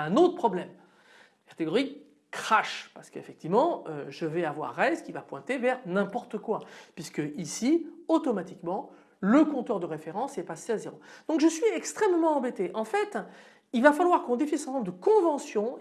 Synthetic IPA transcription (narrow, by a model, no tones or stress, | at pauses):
ɛ̃not̪χəpχɔblɛm | kḁt̪eɡɔʁikː | χaʃpaʁsə̥kəefɛk̚t̪ivmɑ̃øʒəvɛavwa̰ʁːɛzkʲivapwɛ̃t̪evɛʁnɛ̃pɔʁt̪əkwapɥiskəʔisiot̪ɔmat̪ikmɑ̃ | ləkɔ̃t̪ɔʁd̪əʁefeʁɑ̃sɛpaseazeʁod̪̥ɔ̃kʒəsɥiɛkst̪χɛmmɑ̃ɑ̃bet̪eʔɑ̃fɛt̪ | ilvafalwaʁkɔ̃d̪efinisɛt̪ɛ̃tñbd̪əkɔ̃vɑ̃sjɔ̃